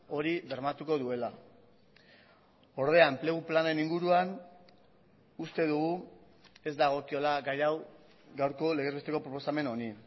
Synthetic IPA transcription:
o̞ɾiðe̞ɾmat̪uko̞ðue̞la | o̞ɾðe̞ample̞ɣuplane̞niŋɡuɾuan | ust̪e̞ðuɣu | e̞zd̪aɣ̞o̞kio̞laɡajaw | ɡawɾko̞leɣeβe̞st̪e̞ko̞pɾo̞po̞same̞no̞ni

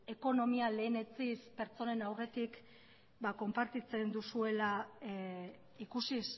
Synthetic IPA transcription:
e̞ko̞no̞miale̞ːne̞t͡sispe̞ɾt͡so̞ne̞nawre̞t̪ik | bako̞mpaɾt̪it͡se̞nd̪usue̞la | ikusis

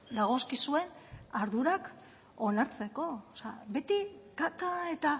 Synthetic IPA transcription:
d̪aɣ̞o̞skisue̞naɾðuɾak | onaɾt͡se̞ko̞sea̰be̞t̪ikat̪ae̞t̪a

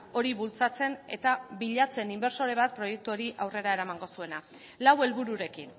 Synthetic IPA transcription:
o̞ɾiβult͡sat͡se̞ne̞̰t̪aβiʎat͡se̞nimbeɾso̞ɾe̞β̞at̪̚pɾo̞je̞k̚t̪uoɾiʔawre̞ɾae̞ɾamaŋɡo̞sue̞na | lawe̞lβuɾuɾe̞kin

